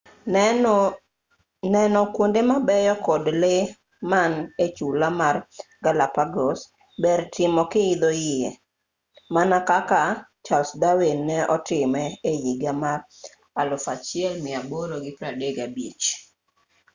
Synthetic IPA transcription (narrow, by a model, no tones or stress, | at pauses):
nɛnɔkwondemabɛjɔkɔdle | manet͡ʃulamarɡalapaɡos | bɛɾtɪmɔkɪɪd̪ojɪɛ | manakakat͡ʃalsdawinːɛʔɔtɪmɛejiɡamar | alʊfat͡ʃɪɛlmɪaboɾoɡɪpɾadeɡabit͡ʃ